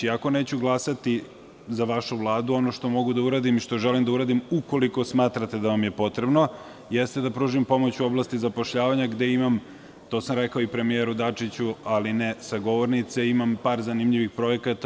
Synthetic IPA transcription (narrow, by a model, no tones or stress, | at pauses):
iako̞neːt͡ɕuɡlˠasat̪i | zaʋaʃuʋlˠaːd̪uo̞noʃt̪o̞mo̞ɡud̪auɾaːd̪imiʃt̪o̞ʒelimd̪auɾaːd̪imuko̞liko̞smaːt̪ɾat̪e̞d̪aʋamjepo̞t̪ɾe̞bno̞ | jest̪ed̪apɾuːʒimpo̞mo̞t͡ɕuo̞blˠast̪izapoʃʎaːʋaɲaɡd̪e̞imam | t̪o̞ːsamɾekaoipɾe̞mijeɾud̪at͡ʂit͡ɕualinesaɡo̞ʋo̞ɾnit̪seimampaːɾzanimʎiʋixpɾo̞ekat̪a